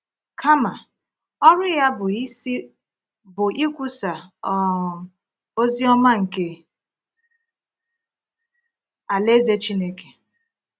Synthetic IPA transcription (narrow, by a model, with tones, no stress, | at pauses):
kʰa˦ma˨ | ɔ˦ɾʊ˦ja˦bʊ˨i˦si˦ | bʊ˨ʔi˦kʷu˦sa˨˦˨ | o˦zi˦ɔ˦ma˦ŋ̩˨ke˨ | a˨le˦ze˦t͡ʃi˦ne˦ke̥˨